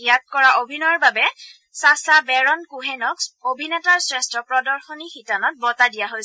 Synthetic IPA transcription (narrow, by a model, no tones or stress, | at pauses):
ijat̚kɔɹaʔobʱinɔɹbabɛ | sasabɛɹɔnkuɦɛnɔkobʱinɛtaɹsɹɛstɔpɹɔdɔɹxɔnixitanɔt̚bɔtadijaɦojs